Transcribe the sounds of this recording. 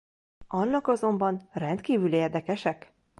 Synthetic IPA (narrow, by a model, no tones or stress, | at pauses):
ɒnːɒkɒzo̞mbɒnrɛnt̪kiːvyleːrd̪ɛkɛʃɛk